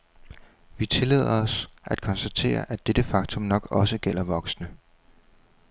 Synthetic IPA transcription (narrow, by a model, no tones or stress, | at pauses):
ʋit͡sʰe̝lḛð̞̰ˠɐɒ̽sʔæd̥̚kʰɒ̽nsd̥æt͡sʰe̝̰ːɐʔæd̥ed̥əfɑ̈ɡ̥t͡sʰɔ̽mnɒ̽ɡ̥ɒ̽səɡ̥el̰ɐʋɒ̽ɡ̥snə